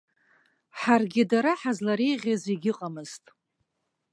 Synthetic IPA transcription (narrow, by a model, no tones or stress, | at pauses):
ħarɡʲɪdaɾaħazlaɾejʁʲaziɡʲɪqʼamɨztʼ